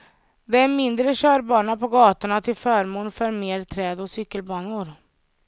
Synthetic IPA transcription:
d̪ɛæɾmɪnd̪ɾəɕœːɾbɑːɳapʰɔɡɑːt̪ʊɳat̪ʰɪlfœːɾmoːnfœɾmeːɾt̪ʰɾɛːd̪ɔsʏkːəlbɑːnʊɾ

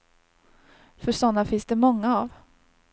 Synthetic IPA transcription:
fœʂɔnːafɪnsd̪ɛmɔŋːaav

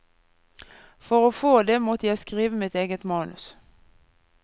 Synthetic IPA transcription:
fɔʁoːfoːd̪eːmɔt̪əjæɪskʁiːʋəmɪt̪eːɡət̪mɑːnʉ̰s

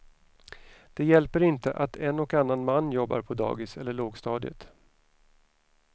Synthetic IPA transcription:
d̪̥ɛjɛlpəɾɪnt̪əʔat̪ʰɛnɔkanːanmanːjɔbːa̰ɾpʰɔd̪ɑ̰ːɡɪsɛlːəɭoːɡst̪ɑːd̪ɪə̰t̪

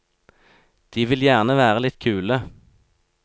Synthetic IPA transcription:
d̪̥iːʋɪljæːʁnəʋæːʁəlɪt̪kʰʉːlə

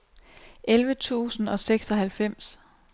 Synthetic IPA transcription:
ʔelʋət͡sʰṵːsn̩ɒ̽seɡ̥sɒɦælfem̰s

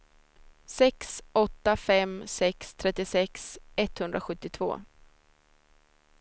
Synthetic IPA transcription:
sɛksɔt̪ːafɛmsɛkst̪ʰɾɛt̪ːɪsɛksɛt̪hɵnd̪ɾaɧɵt̪ːɪt̪ʰvo̰ː

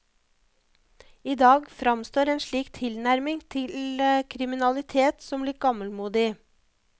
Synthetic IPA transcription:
iːd̪ɑːɡfɾɑmst̪oːɾeːnʃɭiːkt̪ʰɪlnæɾmɪŋt̪ʰɪləkʰɾɪmɪnɑlɪt̪ʰeːt̪sɔmlɪːk̚ɡɑməlmuːd̪ɪ

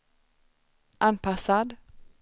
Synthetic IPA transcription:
ʔɑnpʰɑsɑd̪

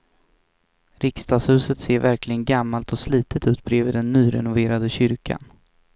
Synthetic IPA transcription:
ɾɪkst̪ɑːshʉ̟ːsət̪seːɾvæɾklɪɡənɡamːalt̪ʰɔsliːt̪ʰət̪ʉ̟ːt̪̚bɾeːviːd̪ɛnːyːɾɛ̰nʊveːɾad̪əɕʏɾkʰa̰n

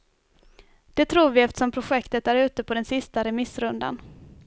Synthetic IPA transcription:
d̪̥ɛt̪ʰɾuːɾvɪɛft̪ə̥ʂɔmpʰɾʊɧɛkt̪ət̪æɾʉ̟ːt̪əpʰɔd̪ɛnsɪst̪aɾɛmɪsːɾɵnd̪a̰n

